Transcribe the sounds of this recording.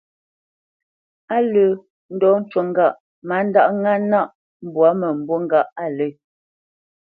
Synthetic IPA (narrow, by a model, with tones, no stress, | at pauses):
a˦lə˨ | n̩˦dɔ˦n̩˦t͡ʃwo˨ŋ˦ɡa˦˨ʔ | ma˨˦n̩˦da˦˨ʔŋa˦na˦ʔ | m̩˦˨bwa˨˦mə˨m̩˨bo˦ŋ˦ɡa˦˨ʔa˦˨lə˦˨